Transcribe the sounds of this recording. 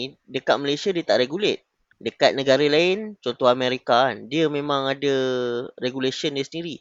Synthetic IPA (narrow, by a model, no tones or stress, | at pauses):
dəkat̪̚məlajsiadiət̪aʔɾeɡulet̪̚ | dəkat̪̚nə̃ɡaɾəlaɪnt͡ʃɔnt̪ɔɦamẽɾikandiəmẽmãŋadəreɡulesiəndiəsəndiɾi